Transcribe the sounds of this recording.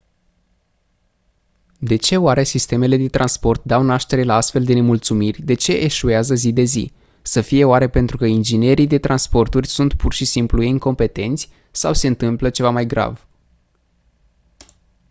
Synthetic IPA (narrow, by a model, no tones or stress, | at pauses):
d̪e̞t͡ʃe̞oaɾe̞sist̪e̞me̞le̞d̪e̞t̪ɾʔanspo̞rt̪̚d̪awnaʃt̪e̞ɾe̞laast̪fe̞ld̪e̞ne̞mult̪sumirʲd̪e̞t͡ʃe̞ʔeʃueazəzid̪e̞zḭ | səfije̞oaɾe̞pe̞nt̪ɾukəind͡ʒine̞ɾid̪e̞t̪ɾanspo̞rt̪urʲsunt̪purʃisimplujeiŋko̞mpe̞t̪e̞nt̪sʲ | sawse̞ɨnt̪ɨmplət͡ʃe̞vamajɡɾa̰v